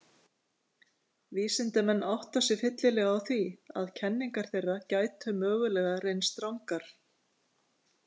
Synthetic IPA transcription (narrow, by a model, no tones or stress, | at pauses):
viːsɪnt̪ɪmɛnːʔawht̪asɪfɪt̪lɪlɛɣawθvia̰ðcʰɛnːiŋkaɾ̥θejrːacaːjt̪hʏmœːɣʏlɛɣaɾejnst̪ɾawŋkaɾ̥